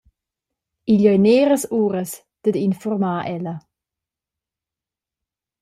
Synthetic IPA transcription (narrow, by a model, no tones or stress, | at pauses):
iʎɔjneːɾəsuːɾəs | d̪̥əd̪infɔrmaːʔɛlɐ